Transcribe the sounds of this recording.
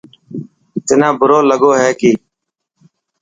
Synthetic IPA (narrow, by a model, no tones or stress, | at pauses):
t̪ɪnãːbʊɾoːləɡoːɦɛːkiː